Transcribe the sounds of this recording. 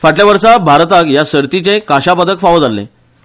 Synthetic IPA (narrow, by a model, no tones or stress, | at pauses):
faʈljaʋəɾsabʱaɾt̪akjasəɾt̪it͡ɕekaɕapad̪əkfaʋəd͡zalːḛ̃